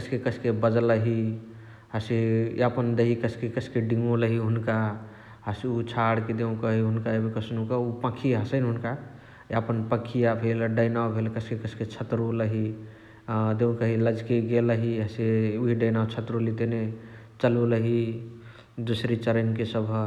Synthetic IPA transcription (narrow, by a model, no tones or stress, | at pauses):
kəskekəskebəd͡ʒləɦi | ɦəsḭapənd̪eɦikəskekəskeɖĩŋɡoləɦiɦunka | ɦəsiut͡ʃʰaɽked̪eũkəɦiɦunkaebikəsnukəupãkʰiɦəsənɦunka | apənpəkʰijabʱelɖəjnabʱelkəskekəsket͡ʃʰət̪ɾoləɦi | d̪eũkəɦiləd͡ʒkeɡeləɦiɦəsiuɦiɖəjnat͡ʃʰət̪ɾolit̪ene | t͡ʃəluləɦi | d̪usɾit͡ʃəɾənkesəbʱ